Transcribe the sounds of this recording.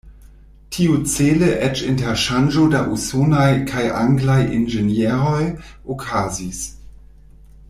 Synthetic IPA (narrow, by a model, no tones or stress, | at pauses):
tʰiut͡seləʔɛt͡ʃinteɾʃand͡ʒodaʔusonajkʰajʔa̰ŋɡlajʔḭnd͡ʒenjeɾojokʰazis